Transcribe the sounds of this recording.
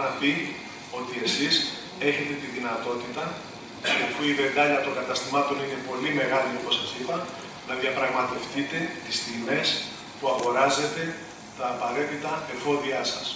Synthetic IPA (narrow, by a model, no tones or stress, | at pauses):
nɐpi | o̞t̪ie̞sis | e̞çe̞t̪e̞t̪iðinɐt̪o̞t̪it̪ɐ | ceɐfuiðe̞nd̪ɐʎɐt̪o̞ŋɡɐt̪ɐst̪imɐt̪o̞nine̞po̞lime̞ɣɐlio̞po̞sɐsipɐ | nɐðiɐpɾɐɣmɐt̪e̞ft̪it̪e̞t̪ist̪ime̞s | puɐɣo̞ɾɐze̞t̪e̞ | t̪ɐːpɐɾe̞t̪it̪ɐeɱvo̞ðiɐsɐs